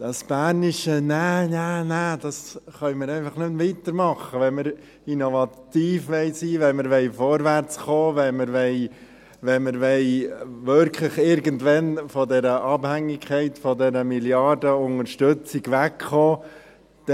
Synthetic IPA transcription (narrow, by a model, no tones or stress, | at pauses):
d̥ɑsb̥æːnɪʃənænænæd̥ɑsχœʏməɾɛɪfɑχnʏmvit̪əɾmɑχəʋɛnməɾ | inovɑtiːfʋɛɪsiːʋɛɪməɾʋɛɪfɔɾvæɾt͡sχoːvɛməɾʋɛɪ | ʋɛnməɾʋɛɪvʏɾkʰlɪχɪɾɡəntʋɛnfɔdɛɾəʔɑb̥hæŋːɪkʰχɛɪtfɔdɛɾəmiljɑdəʊŋəɾʃtøt͡sɪɡʋækχoː | d̥